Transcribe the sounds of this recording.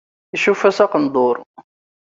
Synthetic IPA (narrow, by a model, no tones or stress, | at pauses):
iʃufæsɑqənd̪ˤoɾˤ